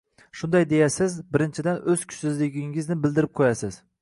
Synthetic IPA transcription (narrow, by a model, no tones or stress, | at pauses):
ʃʊnd̪ajd̪e̞jasɪzbɪɾɪnt͡ʃʰɪd̪anɵz̥kʲʰʊ̥ʃsɪzlɪɡʲɪŋɪznɪbɪld̪ɪɾɪp̚qʰojasɪz̥